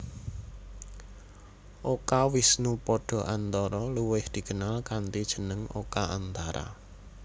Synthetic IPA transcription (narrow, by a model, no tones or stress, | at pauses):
ʔokawisnupɔɖ̥ɔ̤ʔant̪ɔɾɔluwɪhd̪̥i̤ɡ̥ənalkant̪id̥ʒ̥ə̤nəŋo̰kaʔant̪aɾa̰